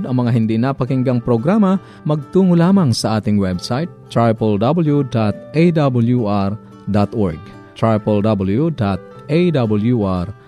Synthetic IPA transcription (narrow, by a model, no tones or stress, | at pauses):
d̪ɐŋmɐŋaɦind̪inapakiŋɡaŋpɾoɡɾama | mɐɡ̚t̪uŋulamaŋsɐʔat̪ɪŋwɛbsajt̪̚ːɾajpɔld̪abəljud̪at̪̚ejd̪abuljuʔaɾ | d̪at̪ɔɹɡ̚ | t̪ɹajpɔld̪abuljud̪at̪̚ | ejd̪abuljuʔaɾ